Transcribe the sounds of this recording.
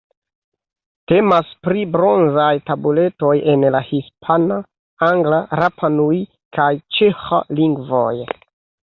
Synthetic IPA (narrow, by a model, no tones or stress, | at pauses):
te̞maspɾibɾo̞nzajtabule̞to̞je̞nlahispʰana | aŋɡlaɾapʰanuj | kajt͡ʃexa̰liŋɡvo̰j